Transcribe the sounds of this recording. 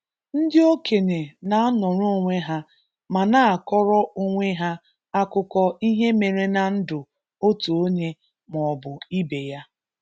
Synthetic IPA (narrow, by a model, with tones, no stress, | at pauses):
n̩˦dɪ˦o˦ke˨ne˨na˨a˦nɔ˨ɾʊ˦o˦ŋʷe˦ɦa˦ | ma˨na˦a˨kɔ˦ɾɔ˦o˦ŋʷe˦ɦa˦ | a˦kʊ˦kɔ˦i˦ɦe˦me˨ɾe˦na˨n̩˦dʊ˨ | o˦tu˨o˦ɲe˦ | mɔ˨ɔ˨bʊ˨i˦be˨ja˦